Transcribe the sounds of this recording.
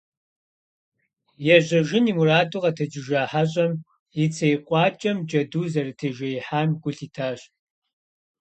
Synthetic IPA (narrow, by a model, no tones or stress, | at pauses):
jɛʑɐʒɪnimuraːduʁɐtʰɐd͡ʒʼɪʒaːħaɕ̬ʼɐm | it͡sʰejqʷʼɑːt͡ʃʼɐmd͡ʒʼɐduːzɐrɨtʰɐʒɐjħaːnɡʷʊɬiːtʰaːɕ